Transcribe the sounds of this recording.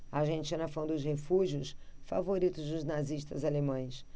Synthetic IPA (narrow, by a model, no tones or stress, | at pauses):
aʒẽnt͡ʃiɐ̃nɐfɐ̃w̃d̪ʊshefuʒiʊsfa̰voɾit̪ʊzd̪ʊznaziʃt̪ɐzalemɐ̃j̃s